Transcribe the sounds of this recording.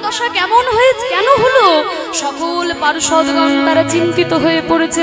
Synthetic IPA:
d̪ɔʃakɛmonɦojet͡ɕʰekɛnoɦolo | ʃɔkolpaɾʃɔd̪ɡant̪aɾat͡ɕint̪it̪oɦoepoɾet͡ɕʰe

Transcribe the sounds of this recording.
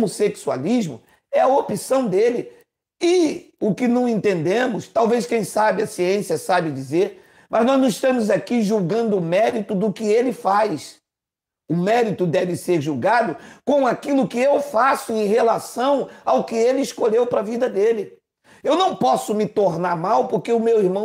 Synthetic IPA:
moseksua̰liʒmʊ̰ | ɛɐopisɐ̃w̃d̪elɪ | ɪʊkɪnɐ̃w̃ẽnt̪ẽnd̪ẽmʊst̪awveskẽj̃sabɪɐsiẽsiɐsabɪd͡ʒizeɾ | mɐznɔznɐ̃w̃iʃt̪ɐ̃mʊzakiʒuwɡɐ̃nd̪ʊːmɛɾit̪ʊd̪ʊkɪelɪfajs | ʊmɛɾit̪ʊd̪ɛvɪseɾʒuwɡad̪ʊkõw̃akilʊkɪewfasʊẽj̃ɦelasɐ̃w̃awʊkɪelɪːskoʎewpɾɐvid̪ɐd̪elɪ | ewnɐ̃w̃pɔsʊmɪt̪oɾnaɾmawpoɾkeʊmewiɾmɐ̃w̃

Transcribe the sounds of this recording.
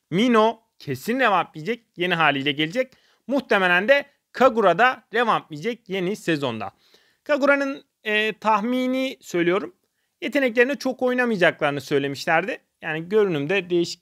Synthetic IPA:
mino̞ | cʰe̞sinɾevamːijd͡ʒɛc̚je̞niɦaːlʲijlʲɛɟe̞lʲid͡ʒɛc̚ | muht̪ʰe̞melʲænd̪ɛ | kʰaɡuɾad̪aɾevamlʲijd͡ʒɛc̚je̞nisezo̞nd̪a̰ | kʰaɡuɾanɯnː | t̪ʰaxmiːniːsø̞jlʲijo̞ɾum | je̞t̪ʰe̞nɛc̬lʲeɾinit͡ʃʰo̞ko̞jnamɯjd͡ʒaklˠaɾɯnɯsø̞jlʲe̞miʃlʲæɾd̪ɪ | jaːniɟø̞ɾynymd̪ɛd̪ejiʃi̥c

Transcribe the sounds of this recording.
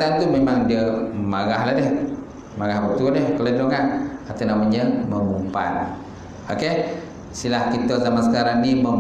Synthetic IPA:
t̪ant̪umemaŋdiəmaɣahlahdɛh | maɣahbək̚t̪udɛhkələdoŋaʔːt̪awnamaɲəməmumpa̰n | oke | silahkit̪ozamansəkaɾaŋniməm

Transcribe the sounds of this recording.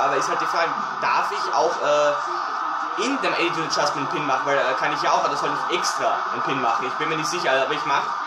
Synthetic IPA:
ʔaːbɐɪsthalt̚d̥ifaɪ | d̥aɐfɪça̰ʊxʔɛː | ʔɪndemʔɛdunət͡ʃastm̩npʰɪnmaχn̩vaɪlɛːkʰanɪçjaaʊxʔaːbəsɔltɪçʔɛkstʁ̥a̰ː | ɪnpʰɪnmaχn̩ɪçb̥ɪnmiːɐnɪçtz̥ɪçɐaːbɐɪçmaχ

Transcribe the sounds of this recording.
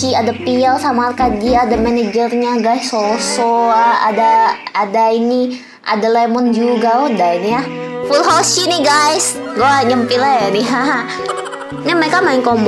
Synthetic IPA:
iadapialsamarkaɡiaːdamɛned͡ʒərɲaɡajsosɔaa̰daːdaini | ʔa̰dalɛmɔnd͡ʒuɡaɔdainiafulɦoʃiniɡajsɡoaɲəmpilajaniɦaɦa | ɲaməɾekamaɪŋkɔmb

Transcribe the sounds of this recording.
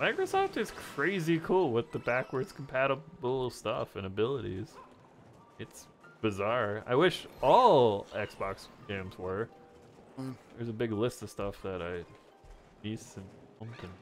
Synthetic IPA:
maɪkɹɨsɔftɨz̥kʰɹ̥eɪzikʰulˠwɪðɨbækwə˞dz̥kʰm̩pʰæɾəbl̩ˠstʌ̰fɨ̃nɨbɪlˠəɾḭz̥ | ɨts | b̥ɨzɑɹa̰ɪwɪʃɔlˠɛksb̥ɑksɡ̥ẽɪ̃mzwə˞ | ðə˞zəbɪɡlɪstʌv̥stʌfðɨɾaɪ | nisɨ̃n | ʌ̃mkɨ̃n

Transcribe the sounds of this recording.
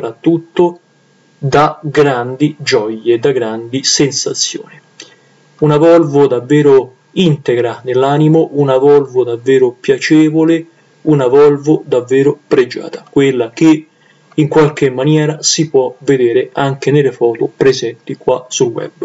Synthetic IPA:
opɾat̪ːut̪ːo | d̪aɡɾand̪id͡ʒɔjːed̪ːaɡɾand̪isensat̪sːjo̰ːni | unavɔlvʊd̪avːɛːɾo | int̪eɡɾanelːaːnimoʔunavɔlvʊd̪avːɛːɾopjat͡ʃɛːvole | unavɔlvʊd̪avːɛːɾopɾed͡ʒa̰ːt̪ḁkwɪlːak̟e | iŋkwalk̟emːanjɛːɾasipwɔvːed̪ɛːɾeaŋk̟enelefɔːt̪ʊpɾezɛnt̪ikwasulwɛ̰b

